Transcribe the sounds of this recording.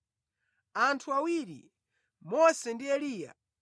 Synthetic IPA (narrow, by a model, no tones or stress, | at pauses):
antʰuawiɾḭ | mɔsɛndiɛliːja̰